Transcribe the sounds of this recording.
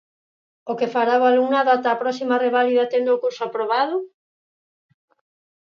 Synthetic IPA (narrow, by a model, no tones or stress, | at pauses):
okefaɾawaluŋnaðat̪aːpɾɔsimareβaliðat̪end̪oːkuɾsʊapɾoβaðʊ